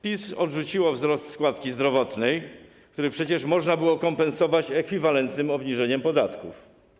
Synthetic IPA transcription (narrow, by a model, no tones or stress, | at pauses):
pʲisɔdʐut͡ɕiwɔvzɾɔst̪skwat̪kʲizd̪ɾɔvɔt̪nɛj | k̚t̪uɾɘpʂɛt͡ɕɛʂmɔʐnabɘwɔkɔmpɛnsɔvat͡ɕɛkfʲivalɛnt̪nɘmɔbɲiʐɛɲɛmpɔd̪at̪kuf